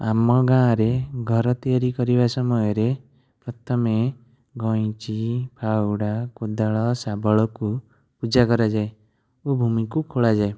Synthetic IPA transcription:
amɔɡãɾeɡʱɔɾɔt̪ijaɾikɔɾibasɔmɔjɔɾe | pɾɔt̪ʰɔme | ɡɔ̃j̃t͡ʃipʰawɽakod̪aɭɔsabɔɭɔku | pud͡ʒakɔɾad͡ʒae | obʱumikukʰoɭad͡ʒae

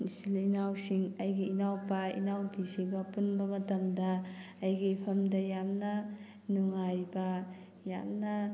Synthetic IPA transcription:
isilinawsiŋɐjɡiːnawpɐḭnawpʰisibɐpunbɐmɐtɐŋdɐː | jɡipʰɐmdɐjamnɐ | nuŋajbɐ | ja̰mnɐ

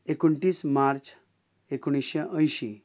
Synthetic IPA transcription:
ekuɳʈiːsmaɾt͡ɕ | ekuɽ̃isɕeʔə̃jɕi

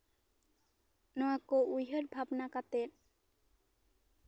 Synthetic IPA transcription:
nɔakoujɦoɾbʱabnakat̪en

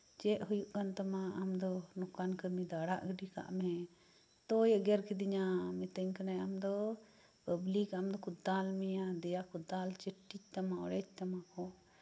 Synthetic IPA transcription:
d͡ʒɛʔɦujuʔkant̪amaamd̪ɔnɔkankəɾmid̪aɽaʔɡəɖika̰ʔmɛ̃ | t̪ɔjəɡɛɾkid̪iɲamɛt̪əɲkanajamd̪ɔ | pəblikamd̪ɔkɔd̪almijad̪ɛjakɔd̪alt͡ʃəʈːit͡ʃ̚t̪amaɔ̰ɽɛt͡ʃ̚t̪amakɔ

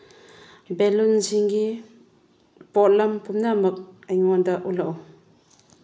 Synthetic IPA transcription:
bɛlunziŋɡi | pɔlɐmpumnamɐk̚ajŋɔndaʔulaʔw

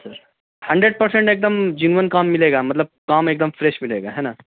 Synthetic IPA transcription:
səɾ | hɐ̃ɳɖɾeɖ̚pəɾsẽɳʈeːk̚d̪əmd͡ʒinʋənkaːmːileːɡamɐt̪ləb̚kaːmeːk̚d̪əmfɾeʃmileːɡa̰ɦɛna

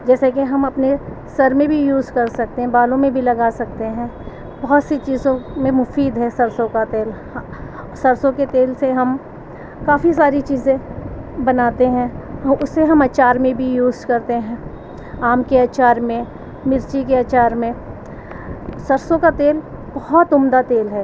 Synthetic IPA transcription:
d͡ʒɛːsekeɦɐmɐpne | sɐɾmẽbʱijuːzkɐɾsɐk̚t̪eɦɛ̃baːlõmẽbʱilɐɡaːsɐk̚t̪eɦɛ̃ː | bɐɦʊt̪set͡ʃiːzõmẽmʊfiːd̪ɦɛsɐɾsõkat̪eːl | sɐɾsõket̪eːlseɦɐm | kaːfis̬aːɾit͡ʃiːzẽbɐnaːt̪eɦɛ̃ːʊsːeɦɐmɐt͡ʃaːɾmẽbʱijuːzkɐɾt̪eɦɛ̃ː | aːmkeaːt͡ʃaːɾmẽ | mɪɾt͡ʃikeat͡ʃaːɾmẽ | sɐɾsõkat̪eːl | b̥ɔɦɔt̪ʊmd̪at̪eːlɦɛː

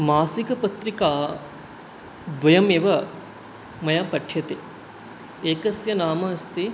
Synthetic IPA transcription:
maːsikɐpɐt̪ɾikaː | d̪ʋɐjɐmeːʋɐ | mɐjaːpɐʈʰjɐt̪e | eːkɐsjɐnaːmɐːst̪i

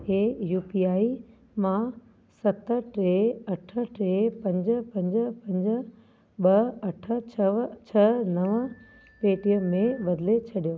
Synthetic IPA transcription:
keːjuːpiaːi | mã | sɐt̪ə̆ʈɾeːɐʈʰə̆ʈɾeːpɐ̃ɲd͡ʑ̆pɐ̃ɲd͡ʑə̆pɐ̃ɲd͡ʑə̆ | ɓɐɐʈʰə̆t͡ɕʰɐt͡ɕʰɐnɐʋə | peːʈijəmẽɓɐd̪let͡ɕʰɐɗijoː

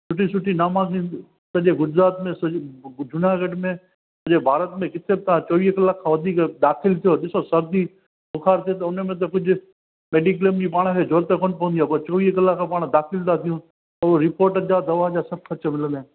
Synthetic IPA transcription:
sʊʈʰisʊʈʰinaːmãkĩ | sɐʄeɡʊd͡ʒɾaːt̪mẽsd͡ʒʊnaːɡəɖmẽ | sɐʄebʱaːɾət̪mẽkɪt̪ʰebɪt̪ãt͡ʃoːʋiːɦkəlaːkʰːãːʋɐd̪ʱiːkd̪aːxʰɪlt̪ʰijoɗɪsosɐɾd̪i | bʊkʰaːɾt̪ʰiot̪̬ɐʊnmẽt̪̬ɐkʊd͡ʒʱ | meːɖikləmd͡ʑipaːɽ̃kʰed͡ʒʱoːɾt̪ekõːnpɐ̃ənd̪ijaːpɐɾt͡ʃoːʋiːɦkəlaːkʰãpaːɽ̃d̪aːkʰɪlnat̪ʰijũː | əɾoɾɪpoːɾʈd͡ʒaːd̪ɐʋaːd͡ʒaːsɐb̚kʰɐt͡ʃəmɪlə̃nd̪eː

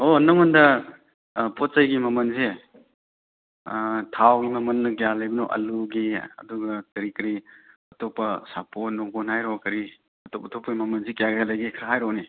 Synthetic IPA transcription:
onɔŋɔndɐ | pʰɔt̚sajɡimɐmɐnze | tʰawɡimɐmɐnːɐɡijalajbɐnoʔɐ̰luɡiɐ̰duɡɐtɐɾikɾiɐtɔpɐsaponːɔŋɡɔnhajɾɔkɐɾi | ɐtɔpɐtʰɔpːɐɡimɐmɐnzikjaɡalajɡikʰɾaɦajɾɔni

